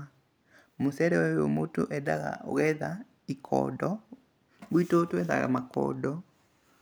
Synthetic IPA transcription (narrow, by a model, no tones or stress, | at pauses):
mosɛɾɛwɛjomotoʔɛdaɣa̰o̰ɣɛða | ikʰɔ̰ːdɔ | βwitotwɛða̰ɣa̰makɔ̰dɔ